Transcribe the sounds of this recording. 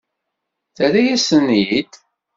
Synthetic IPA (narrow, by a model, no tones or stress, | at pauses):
θæɾæjæsənjid̪